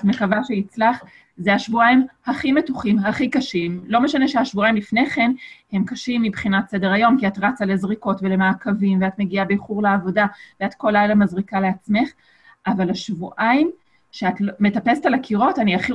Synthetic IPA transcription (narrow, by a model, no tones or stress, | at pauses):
tmekavaʃeit͡slaχ | zeaʃvuaimhaχime̞tuχimɦaχikaʃimlo̞me̞ʃane̞ʃeaʃvuaimlifne̞χe̞nhe̞mkaʃimːibχinatse̞deʁajo̞mkiatʁat͡sale̞zʁiko̞tvelemaːkavimveatmeɡiabejχuʁleavo̞daveatko̞lajlamazʁikale̞at͡smeχ | avalaʃvuʔaim | ʃeatlme̞tape̞setalakʰiʁo̞taniaχi